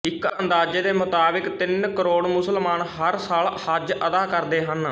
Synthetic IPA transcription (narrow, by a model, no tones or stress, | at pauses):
ɪkənd̪aːd͡ʒeːd̪eːmʊt̪aːbɪkt̪ɪnkəɾoːɽmʊsəlmaːnɦəɾsaːlhəd͡ʒʔəd̪aːkəɾd̪eːɦən